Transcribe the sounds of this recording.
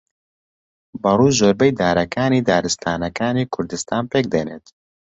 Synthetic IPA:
bɐruːzʒoːɾbɛjd̪aːɾɐkaːniːd̪aːɾɨst̪ʰaːnɐkaːniːkʰʊɾd̪ɨst̪aːnpeːk̚d̪eːnḛːt̪

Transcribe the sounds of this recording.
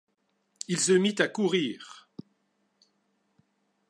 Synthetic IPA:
ilsəmit̪akuʁiːʁ

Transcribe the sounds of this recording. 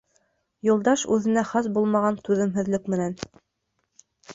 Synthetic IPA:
julˠd̪ɑʃʉðɘ̆næχɑs̬bulˠmɑʁɑnt̪ʉðɘ̆mɦɘ̆ðlɘkmɘ̆næn

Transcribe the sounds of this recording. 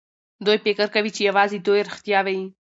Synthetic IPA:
d̪ojpekəɾkawit͡ʃejawɑzid̪ojɾɪxt̪jɑwaji

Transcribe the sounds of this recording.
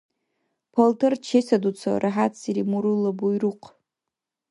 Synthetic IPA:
pʰoltʰɨrt͡ʃʰesadut͡sʰa̰rʔaħat͡sʰsiɾimuɾulabujruqʼʰ

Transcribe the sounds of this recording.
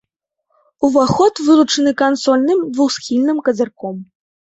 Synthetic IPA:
uvaxɔt̪vɨlˠut͡ʂɨnɨkansɔlʲnɨmd̪vuxsxʲilʲnɨmkɐzʲarkɔm

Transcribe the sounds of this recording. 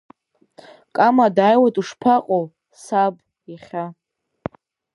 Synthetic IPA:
kʼamadaːjwatʼuʂpʰaqʼow | sab | aχʲa

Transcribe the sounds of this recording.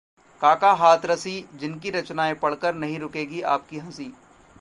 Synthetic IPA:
kaːkaɦaːt̪ʰɾɐsid͡ʒɪnkiɾɐt͡ʃnaːẽpɐɽ̤kəɾnɐɦĩɾʊkeːɡia̰ːp̚kiɦɐ̃siː

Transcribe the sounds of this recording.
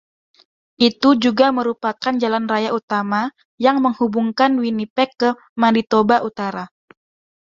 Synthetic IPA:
ʔit̪ud͡ʒuɡaməɾupakand͡ʒalanrajaut̪ama | jaŋməŋhubuŋkanwinipɛkːə | maɾit̪obaʔut̪aɾa

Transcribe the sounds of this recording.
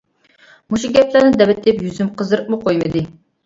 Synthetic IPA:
muʃuɡʲɛpʰlæɾnɪd̪ɛbɪt̪ːɪpjyzymqʰəzɨɾɨq̚muqʰojmɨd̪ɨ

